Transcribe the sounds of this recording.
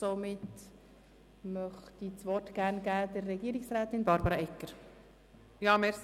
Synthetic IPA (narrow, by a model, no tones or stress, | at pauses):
somɪt | mœχtit͡sʋɔrtɡ̥ærnɡæːdərːɛɡiːɾiksræːt̪ɪnbɑɾbɑɾɑɛkːəɾ | jɑːmɛs